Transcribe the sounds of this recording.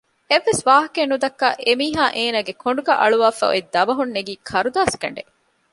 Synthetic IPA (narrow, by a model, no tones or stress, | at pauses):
eʋːesʋaːɦɐkenːud̪ɐkːɐʔemiːɦaːʔeːnaːɡekʰoɳ̆ɖuɡɐʔɐ̰ɭuʋaːfɐ̰o̰id̪ɐbɐɦunːeɡiːkʰɐɾud̪aːskɐ̰ɳɖe